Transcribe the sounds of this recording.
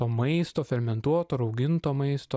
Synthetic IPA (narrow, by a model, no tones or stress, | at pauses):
oːmɐɪst̪oːfʲɛɾʲmʲɛnt̪uɔt̪oːɾɐʊɡʲɪnt̪oːmɐɪst̪o